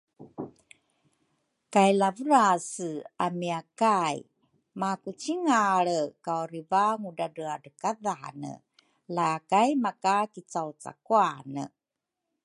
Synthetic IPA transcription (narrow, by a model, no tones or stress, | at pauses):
kajlavəɾasəamiakaj | makut͡ɕiŋaɭəkawɾivaŋudadəadəkaðanə̰ | lakajmakakit͡sawt͡sa̰kuanə̰